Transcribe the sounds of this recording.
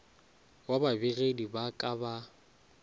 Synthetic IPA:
wababɪɣedibakʼaba

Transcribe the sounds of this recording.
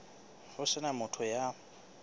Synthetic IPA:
χʊsɪnamʊtʰʊja

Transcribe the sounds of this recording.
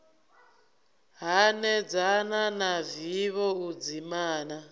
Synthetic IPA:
ɦanɛd͡zananaviβɔud͡zimaːna

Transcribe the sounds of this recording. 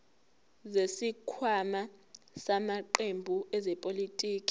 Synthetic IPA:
zesikʰwama | samaǃembʱuɛzɛpʼolitʼiːkʼi̥

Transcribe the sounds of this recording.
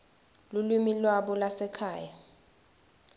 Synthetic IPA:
lulwimilwaɓɔlasɛkʰaːja

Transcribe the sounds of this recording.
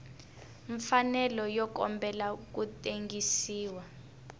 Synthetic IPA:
ɱfanɛlɔjɔkɔ̰mbɛlak̬utʼeŋɡisiːwa

